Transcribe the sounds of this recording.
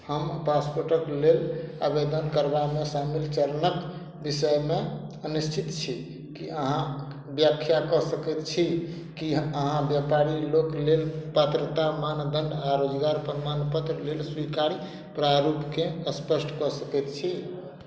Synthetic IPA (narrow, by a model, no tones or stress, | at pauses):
həmpaspoɾʈəklela̰bed̪ənkəɾbamesamilt͡ʃəɾənək | bisəjme | ənust͡ʃʰit̪t͡ʃʰi | kiəɦã | bjəkʰjakɔsəkɛt̪t͡ʃʰi | kiəɦãbjapaɾiloklelpət̪ɾət̪amand̪ənɖaɾod͡ʒɡaɾpəɾmanpət̪ɾlelswikaɾi | pɾaɾupkeəspəsʈkɔsəkɛt̪t͡ʃʰi